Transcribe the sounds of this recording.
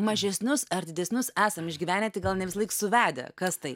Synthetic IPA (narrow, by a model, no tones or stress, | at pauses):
mɐʒʲɛsʲnʲʊsɐɾd̪ʲɪd̪ʲɛsʲnʲʊsæːsɐmɪʒʲɡʲiːʋʲæːnʲɛt̪ʲɪɡɐlˠnʲɛʋʲɪsɐlˠɐɪksʊʋʲæːd̪ʲɛ̰kɐst̪ɐɪ